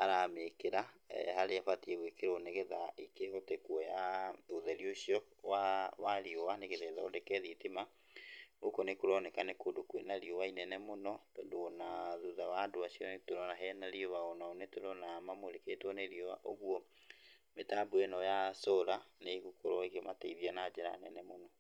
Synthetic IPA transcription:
aɾamekeɾa̰haɾeafatieɣwekeɾoneɣeðaikehɔtɛkwɔjaoðɛɾioɕiɔ | wawaɾiɔwaneɣeðɛðaondɛkɛðitema | okonekoɾɔnɛkanekodokwenaɾiɔwainɛnɛmonɔtɔːndoːnaðuðawadoaɕiɔntoɾɔnaɦɛnaɾiowaɔnaonetoɾɔnamamoɾeketwɔneɾiɔwaʔoɣwɔ | metabuɛnɔjasoɾaneɣukoɾɔiɣemataiðianad͡ʒeɾa̰nɛnɛmonɔ

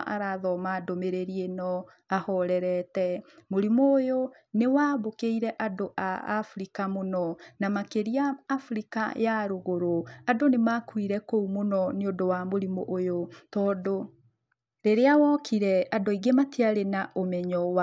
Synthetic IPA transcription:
ʔa̰ɾaðɔmadomeɾeɾienɔ | ahɔɾɛɾɛtɛmoɾimoːjo | newabokeiɾɛʔadoʔa̰a̰fɾikamonɔnamakeɾiaːfɾika̰jaɾoɣoɾoadonemakwiɾɛkoumonɔneodowamoɾimoʔojotɔːdo | ɾeɾeawɔkiɾɛadoiɡematiaɾenaʔomɛɲɔwa

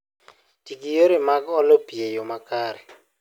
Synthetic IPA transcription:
d̥iɡijoɾemaɡɔlɔpiejomakaːɾɛ

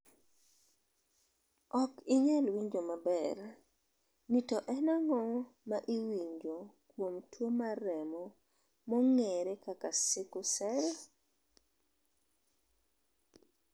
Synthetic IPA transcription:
ɔkɪɲɛlwiɲd͡ʒomabɛr | nitɔʔɛnaŋɔmaʔiwiɲd͡ʒokwomtwomaɾɛmɔ | mɔŋeɾekakasɪkʊsɛɾ

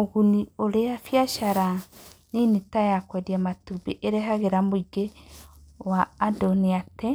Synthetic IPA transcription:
oɣunioɾeafjaʃaɾaninitajakwɛdiamatubeʔeɾeɦaɣeɾamoiɡe | waːdɔniatɛ

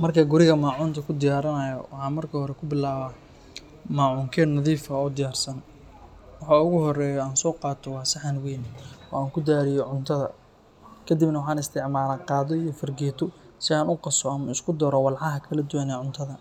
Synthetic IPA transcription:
mɐrkʰɐɡʊɾɪɣɐmaːʕuːnt̪ʰɐkʰʊd̪ɪjaːɾɐnɐjɐ̰wɑħɑːnmɐrkʰɐhɔɾɛkʰʊbɪlaːβɐ | maːʕuːŋkʰɛːnɐðiːfɐɔːd̪ɪjaːrsɐn | wɑħɑːʊɣʊɦɔrɛːjɔaːnsɔːqɑːt̪ʰɔwɑːsɐħanwejnɔ̰ːaːŋkʰʊd̪aːɾɪjɔʕʊnt̪ʰɐðɐ̰ | kʰɐd̪ibnɐwɑħɑːnɪst̪ʰɪʕmaːlaːqɑːðɔijɔfɐrɡɛːt̪ʰɔ | sɪaːnʊqɑsɔɐmɐɪskʰʊd̪ɔɾɔwɑlʕɑɦɐkʰɐlɐd̪uwanɛːʕʊnt̪ʰɐðɐ

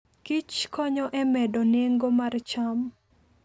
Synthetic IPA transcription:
kit͡ʃkɔɲɔʔɛmɛdɔneŋɡomart͡ʃam

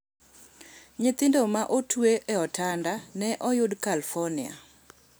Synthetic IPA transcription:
ɲɪt̪ɪndomaʔotweʔeɔtʰandanɛʔɔjʊdkalfɔnɪa̰

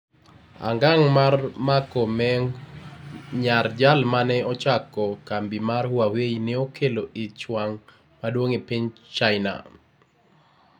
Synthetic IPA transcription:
a̰ŋɡaŋmarmakomɛŋ | ɲard͡ʒalmanɛɔt͡ʃakɔkambimarwaweineokʰeloɪt͡ʃwaŋ | madwoŋepiɲt͡ʃaɪna̰

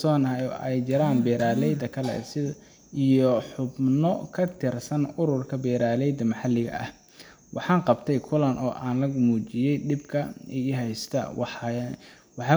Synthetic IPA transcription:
sɔːnjʔɛjt͡ʃɪɾaːnbɛːɾaːlɛjd̪ɐkʰɐlɛ̰sɪ | ijɔħʊbnɔkʰɐt̪ʰɪrsɐnʊɾʊrkʰɐbɛːɾaːlɛjd̪ɐmɑħɑlɪɣɐ̰ʔɐ̰h | wʔɑħɑːnqɑbt̪ʰɛjkʰʊlɐnʔɔːʔaːnlɐɣmuːt͡ʃɪjɛjɖɪbkʰɐɛɦɛjst̪ʰɐ̰ | wɑħɑ

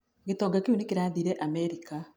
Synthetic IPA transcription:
ɡetɔːɡakeunikiɾaːðiːɾeʔamɛɾika

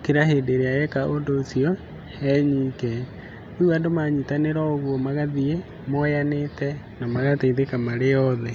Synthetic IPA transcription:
keɾaɦeːdeɾeajɛkaʔondoːsiɔ | ɛɲiːkɛ | owadomaɲitaneɾaoɣwɔmaɣaðie | mɔjanetɛ | namaɣateitekamaɾejɔðɛ

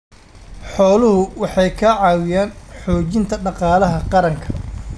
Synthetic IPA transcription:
ħɔːlʊɦʊwɑħɑjkʰɐʕɑːwɪjaːnħɔːt͡ʃɪnt̪ʰɐɖɑqɑːlɐɦɐqɑɾɐŋkʰɐ

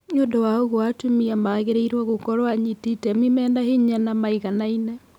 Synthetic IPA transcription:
ɲondowaoɣoatumiamaɣeɾeiɾwaɣokɔɾwaɲititɛmimɛːndaheɲanamaiɣanainɛ

